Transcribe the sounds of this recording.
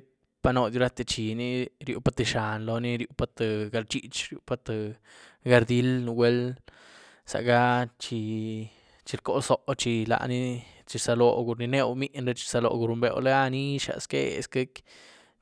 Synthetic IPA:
e˦ | pa˧no˧d̪ju˧ɾa˦t̪e˧t͡ʃi˨ni˦ɾjṵ˧pa˦t̪e˧ʃa˨nlo˧ni˦ɾju˧pa˧t̪e˧ɡa˧ɾt͡ʃi˦t͡ʃɾju˧pa˧t̪a˧ | ɡa˧ɾd̪i˦lnu˧wʷe˦l | sa̰˨ɡa˦t͡ʃi˧ | t͡ʃi˧ɾko˦so˧˨ʔt͡ʃi˧la̰˨ʔni˦ | t͡ʃi˧sa˧lo˨ɡu˧ɾni˧ne˧wmi˦ʔnɾe˧t͡ʃi̥˧sa˧lo̰˧ɡu˧ɾu˧mbḛ˧wle˦a˦ni˦ʃa̰˨skḛ˦ḛ˨ske˦k

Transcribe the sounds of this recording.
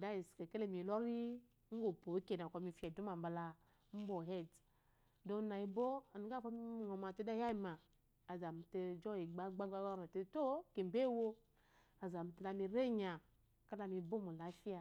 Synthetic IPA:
da˦i˨ske˨ke˦le˦˨mi˨lɔ˦ɾi˦ | ŋ̩˦ɡo˨po˨˦ke˨na˨kɔ˧mi˧fi˦a˨du˦ma˨m̩˨ba˧la˧˦ | m̩˦bo˨ɦe˦d | do˧˦na˨i˧bo˦a˨n˨˦ɡa˦˨fo˦m˦˨ŋo˨ma˨te˦da˦ja˦i˦˨maː˨ | za˨m̩˨te˧d͡ʒɔ˦i˨ɡ͡ba˦ɡ͡ba˦ɡ͡ba˦a˦ma˨te˧to˦ke˨m˨be˦wo˦ | a˨za˨m̩˨te˨˧la˧mi˧ɾe˦ɲa˨ | ka˦la˧mi˧bo˦mo˨la˨˦fi˦a˨

